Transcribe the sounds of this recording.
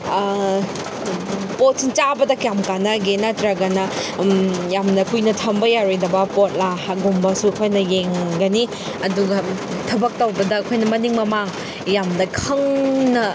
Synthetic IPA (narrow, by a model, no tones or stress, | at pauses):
pot̚sint͡ʃabɐdɐkjamkanɐɡenɐtɾaɡɐnɐ | jamnɐkʰujnɐtʰɐmbɐjaɾojdɐbɐpot̚lahaɡumbɐsuɐkʰojnɐjeŋɡɐni | ɐduɡɐ | tʰɐbɐk̚tɐwbɐdɐːkʰojnɐmɐniŋmɐmaŋ | jamnɐkʰɐŋnɐ